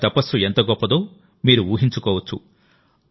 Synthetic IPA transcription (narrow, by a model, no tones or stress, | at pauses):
t̪ɐpɐsuent̪ɐɡɔpːɐd̪oː | miːɾuuːɦiɲt͡ʃukoːʋɐt͡ʃʰṵ